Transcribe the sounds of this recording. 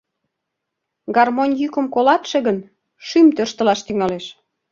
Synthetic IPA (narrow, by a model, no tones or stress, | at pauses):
ɡɑrmonʲjykə̆mkolɑt̪ʃĕɣən | ʃymt̪øʃt̪ə̆lɑʃt̪yŋɑleʃ